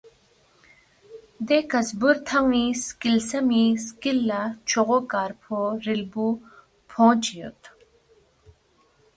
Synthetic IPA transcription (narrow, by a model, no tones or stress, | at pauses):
d̪ekɐzbuɾt̪ʰɐŋiskilsɐmiskilːat͡ʃʰoʁokaːɾpʰoɾilbu | pʰõːt͡ʃijo̰t̪